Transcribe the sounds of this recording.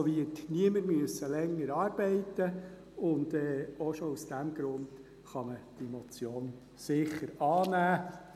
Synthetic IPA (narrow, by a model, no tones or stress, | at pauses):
ɔʋitniəməɾmyəsəlɛŋːəɾɑːɾb̥ɛɪt̪ːə | ʊnd̥ɛːoʃɔusd̥æmɡ̥ɾʊnd̥ | χɑməd̥imɔt͡sjoːn | sɪχəɾɑːnæː